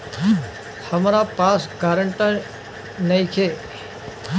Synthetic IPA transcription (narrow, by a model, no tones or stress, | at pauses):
həmaɾapaskaɾəɳʈən | nəĩkʰe